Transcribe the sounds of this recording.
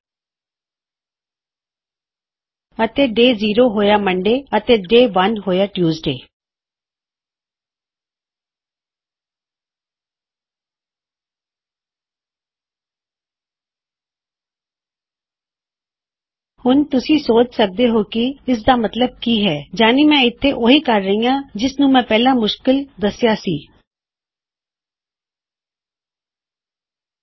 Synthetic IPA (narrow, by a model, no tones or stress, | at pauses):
ət̪eːɖeːziːɾoːɦoːjaːməɳɖeːət̪eːɖeːʋənɦoːjaːʈjuːzɖḛː | hʊnt̪ʊsĩːsoːt͡ʃsək̚d̪eːɦoːkiɪs̬d̪aːmət̪ləb̚kiːɦɛːd͡ʒaːniːmɛ̃ːɪt̪ʰːeːʔoːɦiːkəɾːəɦĩjãːd͡ʒɪsnũːmɛ̃ːpɛːlãːmʊʃkɪld̪əsjaːsiː